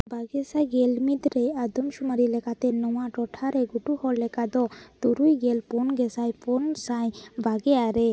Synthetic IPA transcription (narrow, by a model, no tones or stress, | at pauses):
bʱaɡesajɡelmid̪ɾejad̪ɔmʃumaɾilɛkat̪enɔwaʈɔʈʰaɾeɡuʈuhɔllɛkad̪ɔd̪̥uɾujɡelponɡɛsajponsajbʱaɡeaɾe